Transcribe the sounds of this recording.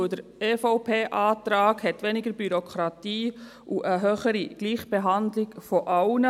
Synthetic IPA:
dəɾefɔʊpʰeːʔaːtɾaːɡhɛtʋɛnɪɡəɾbyɾokʰɾɑtiː | ʔuʔəɦøːχəɾiɡ̥liːχb̥eɦandlɪɡfɔʔaʊnə

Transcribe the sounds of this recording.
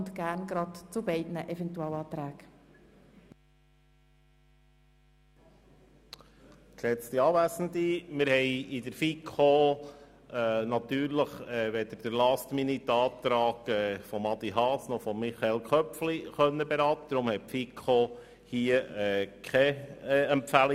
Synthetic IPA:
ntɡ̥æɾnɡɾɑtt͡subɛɪdnəʔɛvɛntuɛlɑːt̪ɾæːɡ̥ | klɛt͡st̪iɑːʋæsən̩d̪imɪɾhɛɪid̪əɾfikʰo | ɛnɑt̪yːɾləχɛːʋed̪əɾd̥əɾlɑst̪minit̪ɑːt̪ɾɑːɡ̥ɛːfɔmɑd̪iɦɑːsnɔχfɔmːiχɑelkʰχœpfliχœnːəbeɾɑːt̪əd̥̪ɾʊmhɛtfikʰo | hiəɛːkʰχɛɛmpfæli

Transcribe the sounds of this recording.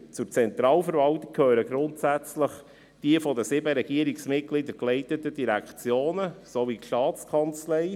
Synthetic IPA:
t͡sʊɾt͡sɛnt̪ɾɑːlfəɾvɑltɪk̚kʰøːɾəɡɾʊntsæt͡sləχ | d̥iəfɔdəsɪbəɾɛɡ̥iəɾiksmɪt̚klɪdəklɛɪtətəd̥iɾækt͡sjoːnəsovitʃtɑːt͡skʰɑnt͡slɛɪ

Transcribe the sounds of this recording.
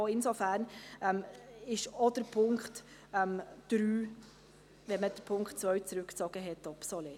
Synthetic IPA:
oɪnsofæɾnɛmɪʃod̥əɾpʰʊŋkχtɛmd̥ɾyː | ʋɛnməd̥əɾpʰʊŋkχtt͡sʋœɥt͡sɾʉkt͡sɔɡ̥əɦɛtːɑpsɔle

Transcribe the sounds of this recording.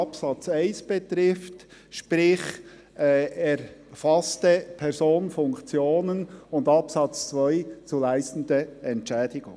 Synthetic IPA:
ɑpsɑt͡saɪnsb̥ɛt̪ɾɪftʃpɾɪχ | ɛɾfɑstəpʰɛɾzoːnfʊŋkt͡sjoːnənʊndɑpsɑt͡st͡svœʏt͡sulæɪstn̩d̪əɛntt͡ʃɛːdɪɡʊŋ

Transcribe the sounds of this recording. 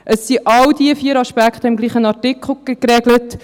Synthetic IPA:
ʔəsːiʔɑldiəfiːəɾɑʃpækχt̪əɪmɡliːχənɑtɪkχl̩ˠkɾɛɡlət

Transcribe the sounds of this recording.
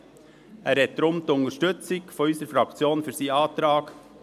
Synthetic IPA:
æɾɛt̪ːəɾʊmt̪ʊŋəʃtøtsɪɡfɔɾyːsəɾfɾɑkt͡sjoːnfyːɾsiːɑːt̪ɾɑːɡ

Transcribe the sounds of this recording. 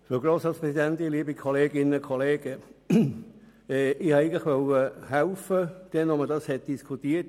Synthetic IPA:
foɡɾoːsɑːtspʁɛsidɛntɪliːbikʰoleːɡɪnəkʰoleːɡ̥ə | ɛːɪhɑæɪɡŋntlɪχʋœwəhɛʊfəd̪̥ɛnɔmədɑshɛt̚d̥iskʰutiːət

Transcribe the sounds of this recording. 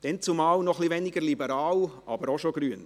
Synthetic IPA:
d̥ɛnt͡sumɑːlnɔχlivɛnɪɡəɾlibəɾɑːwʔɑ̰bəɾoʃoɡɾyːən

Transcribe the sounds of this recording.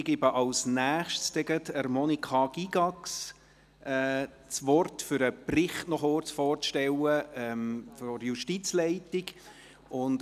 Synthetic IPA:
ɡ̥ɪbəʔɑlsnæːχʃtst̪ɛɡ̥ətəɾmɔnikʰχɑɡ̥iɡ̥ɑks | ɛː | t͡sʋɔrtfʏɾəprɪχtnɔχʊrt͡sfɔːrʃtɛwəɛmfjuʃtit͡slɛɪtiɡ | ʊnd

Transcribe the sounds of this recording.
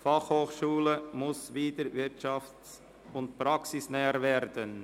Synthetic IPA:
fɑχhoːχʃuːləmʊsviːdəɾvɪɾtʃɑft͡s | ʊntpɾɑksɪsnɛːəɾvɛɾdən

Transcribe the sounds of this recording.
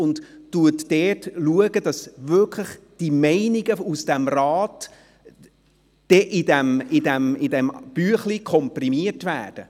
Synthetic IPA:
ʊndtːuətdɛːtluəɡəd̥ɑsvʏkʰləχ | d̥imɛɪniɡəusd̥ɛmrɑːt | d̥ɛʔɪdɛmɪdɛmɪdɛmb̥yəχlikʰɔmprimiətvæ̰ːd̥ə

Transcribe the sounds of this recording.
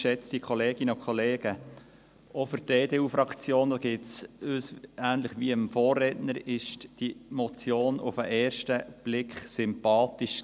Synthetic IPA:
ʃɛt͡stikʰχɔleːɡ̥ɪnəʊkʰχɔleːɡ̥ə | ofʏɾteːdeːuːfɾɑkt͡sjoːnd̪ɑːɡ̥ɪːtsøːsæːnləχʋiəmfoːrːɛtnəɾɪʃtd̥imɔt͡sjoːnʊfəʔɛːrʃtəb̥lɪkχsʏmpɑːt̪iʃ

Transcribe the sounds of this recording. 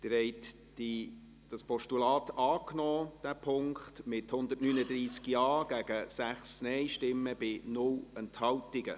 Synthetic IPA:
t̪ɪɾhɛɪt | d̥i | d̥ɑspɔʃtulɑːt̪ɑːknɔːd̥æpʰʊŋkχtmɪthʊnd̪ətnyːnəd̪ɾiːskjɑːɡ̥æɡ̥əsæχsnɛɪʃtɪmːəb̥ɪnʊlɛnthɑwtɪɡə̰

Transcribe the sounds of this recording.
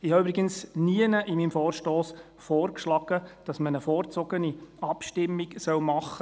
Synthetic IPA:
ɪhɑybɾɪɡənsniənəʔɪmimfɔːrʃtɔːs | fɔːrkʃlɑɡ̥əd̥ɑsmənəfɔːrt͡sɔɡəniɑpʃtɪmːiksœlmɑχːə

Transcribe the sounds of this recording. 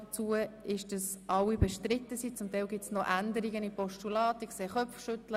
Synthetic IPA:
ət͡suəɪʃd̥əs | ʔɑwibɛʃtɾɪt̪ːəsit͡sʊmt̪ɛɪlɡɪp̚tsnoʔændəɾiɡənipɔʃtulɑːt̪əkseːχœfʃʏt̪lə

